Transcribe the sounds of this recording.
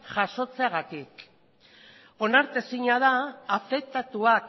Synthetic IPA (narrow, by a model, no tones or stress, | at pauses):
ʝaʃo̞t͡seaɣat̪ik | o̞naɾt̪esiɲaðaːfe̞k̚t̪at̪uak